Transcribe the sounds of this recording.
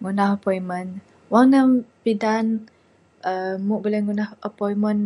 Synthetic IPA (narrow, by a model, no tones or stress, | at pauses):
ŋunahəpɔimən | waŋnəmpidan | əmuʔbulɛhŋunahəpɔimən